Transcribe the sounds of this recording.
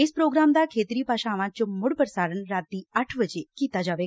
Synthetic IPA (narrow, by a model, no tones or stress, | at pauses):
espɾoːɡɾamd̪akʰeːt̪ɾipaːʃaːʋãt͡ʃomʊɽpəɾəsaːɾəɳɾaːt̪ːiəʈʰʋəd͡ʒekiːt̪ad͡ʒaːʋe